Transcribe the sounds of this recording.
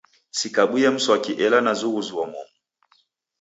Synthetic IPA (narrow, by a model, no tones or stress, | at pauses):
sikaɓujɛm̩swakiʔɛlanazuɣuzuwɔmɔ̰mu